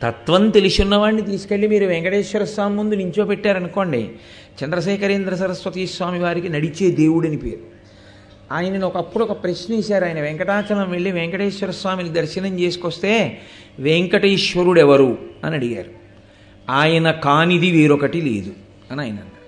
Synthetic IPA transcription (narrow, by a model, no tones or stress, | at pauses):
t̪ɐt̪ʋɐnt̪elisunːɐʋaːɳːit̪̬iːsu̥ke̞ɭːimiːɾuʋɛŋkɐʈeːʃʋɐɾɐsʋaːmːund̪uniɲt͡ʃo̞ːpɛʈːaːɾɐnuko̞ːɳɖḭ | t͡ʃɐnd̪ɾɐʃ̬ɛːkɐɾeːnd̪ɾɐs̬ɐɾɐsʋɐt̪iːsʋaːmiʋaːɾikinɐɽit͡ʃe̞ːd̪e̞ːwuɽɐnipeːɾu | aːjɐnɐniɔkɐpːuɽɔkɐpɾɐʃnɐiːʃaːɾaːjɐnɐʋɛŋkɐʈaːt͡ʃɐlɐmʋeɭːiʋɛŋkɐʈeːʃʋɐɾɐsʋaːminid̪ɐɾʃɐnɐɲt͡ʃe̞ːsu̥kost̪e̞ː | ʋeŋkɐʈɐiʃʋɐɾuɽɛʋɐɾuɐ̰nɐɽiɡa̰ːɾu | aːjɐnɐkaːnid̪iʋeːɾɔkɐʈilḛːd̪u | ɐnaːjɐnɐ̰ɳː